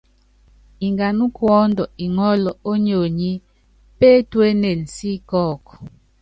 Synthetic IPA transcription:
i˨ŋɡa˨nu˦kwɔ˦ndɔ˨i˨ŋɔ˦lɔ˨o˦ɲo˨ɲi˦ | pe˦twe˦ne˨n̩˨si˦kɔː˦˨kɔ̥˨

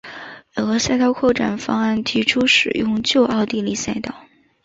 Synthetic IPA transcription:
ɤ˧˩˥sja˥˧ɪk̪ʰɑ˥ʊkʰwɔ˥˩ʈ͡ʂa̰˨˩nfɑ˥ŋa˥˩nt̪ʰi˧˥ʈ͡ʂʰu˥ʂɻ̩˨˩jʊ˥˧ŋt͡ɕjo˥˧ʊʔɑ˥˧ʊt̪i˥˧li˥˩sa˥˩ɪt̪ɑ˥˩ʊ

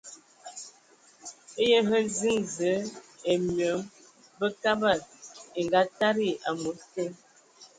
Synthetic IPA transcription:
e˦jə˦ɦə˦zi˦ŋzə˨˦e˨mjə˨˦m | bə˦ka˦ba˨te˨ŋɡa˦ta˦ɾi˦˨a˨mo˨˦te˦

